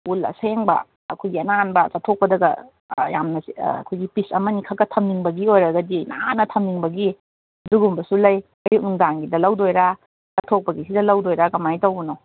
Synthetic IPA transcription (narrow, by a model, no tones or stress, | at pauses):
ulɐ̰seŋbɐ̰ː | kʰojɡiɐnanbɐsatʰok̚pɐdɐɡɐ̰ | ja̰mnɐ̰kʰojɡipisɐmɐnikʰɐkːɐtʰɐmniŋbɐɡiojɾɐɡɐdinanɐtʰɐmniŋbɐɡi | duɡumbɐsulɐj | ɐjuŋdaŋɡidɐlɐwdojɾa | zɐtʰok̚pɐɡisidɐlɐwdojɾakɐmajtɐwunow